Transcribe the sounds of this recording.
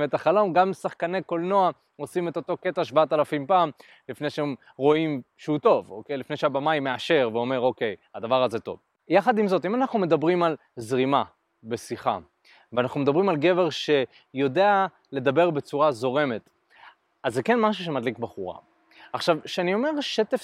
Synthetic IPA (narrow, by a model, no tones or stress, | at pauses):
metaχalo̞mɡamsaχkaneko̞lno̞a | o̞simet̪o̞to̞ke̞taʃ̬baatalafimpaːm | lifnejʃeem | ʁo̞imʃehuto̞vokejlifne̞jʃeabamajmːeaʃe̞ʁveo̞me̞ʁoke̞jad̪avaʁaze̞to̞̰v | jaχad̪imzo̞timanaχnume̞d̪abʁimal | zʁima | be̞siχa̰ | veanaχnumed̪abʁimalɡe̞ve̞ʁʃe̞ | jo̞de̞a | le̞d̪abe̞ʁbe̞t͡suʁazo̞ʁe̞me̞t | azːeke̞nmaʃ̬uʃ̬emadlikbaχuʁa̰ | aχʃavʃeanio̞me̞ʁʃet̪ef